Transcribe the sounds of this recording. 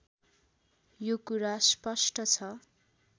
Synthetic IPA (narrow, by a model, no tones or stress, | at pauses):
jokuɾaspʌsʈʌt͡sʰʌ